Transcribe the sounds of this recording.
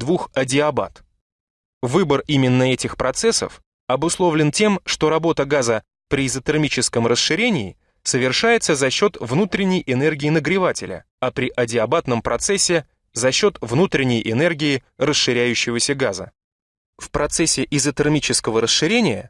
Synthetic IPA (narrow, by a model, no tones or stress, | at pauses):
d̪vuxɐdʲɪɐba̰t̪ | vɨbərimʲɪnːəɛtʲɪxpɾʔɐt̪sɛsə̰f | ɐbʊslˠo̞vlʲɪntʲe̞mʂt̪o̞ɾɐbo̞t̪əɡazə | pɾʲɪɪzət̪ɨrmʲit͡ɕɪskəmrəsʂɨɾʲenʲɪː | səvʲɪrʂajɪt̪səzɐɕːo̞t̪vnut̪ɾʲɪnʲːɪjɪnɛrɡʲɪːnəɡɾʲɪvatʲɪlʲə̰ | ɐpɾʲɪʔɐdʲɪɐbat̪nəmpɾɐt̪sɛsʲːɪ | zɐɕːo̞t̪vnut̪ɾʲɪnʲːɪjʔɪnɛrɡʲɪːrəsʂɨɾʲæjʉɕːɪvəsʲəɡazə̰ | fpɾɐt̪sɛsʲːɪʔɪzət̪ɨrmʲit͡ɕɪskəvəɾəsʂɨɾʲenʲɪjə̰